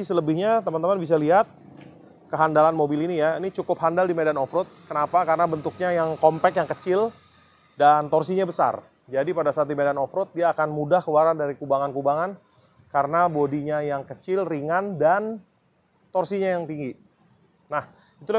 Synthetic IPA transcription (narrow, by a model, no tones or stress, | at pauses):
isələbɪhɲat̪əmant̪əmanbis̬aliɦat̪̚ | kəɦandalanmobilinijainit͡ʃukʊp̚handaldimedanɔfɾʊt̪̚kənapakarənabənt̪ʊk̚ɲajaŋkɔmpɛkjaŋkət͡ʃɪl | dant̪ɔrsiɲabəsa̰r | d͡ʒadipadasat̪̬imedanɔfɾʊt̪̚diaːkanmudahkəluwaɾandaɾikubaŋankubaŋan | kaɾənabodiɲajaŋkət͡ʃɪlriŋandan | t̪ɔrsiɲajaŋt̪iŋɡi | nah | it̪ula